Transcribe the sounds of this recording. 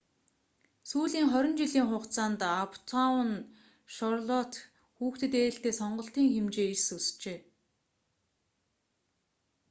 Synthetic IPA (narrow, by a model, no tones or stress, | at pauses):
suːɮiːŋχɔɾʲɞ̆nt͡ɕiɮiːŋχʊqt͡saːnt̪apʰt̪ʰawn | ʃɔrɮɔt̪ | xuːxt̪ɘ̆t̪ĕːɬt̪eːsɔɴɢɞ̆ɬt̪iːŋxemt͡ɕeːisust͡ɕeː